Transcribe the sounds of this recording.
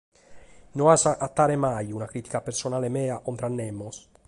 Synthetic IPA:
noasaʔat̪ːaːɾemajunakɾiːt̪ikapeɾsonaːlemɛːaʔont̪ɾanːɛmːos

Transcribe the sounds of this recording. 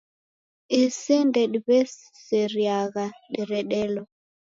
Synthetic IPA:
isindɛɗiβɛs | sɛɾjaɣaɗiɾɛɗɛlɔ

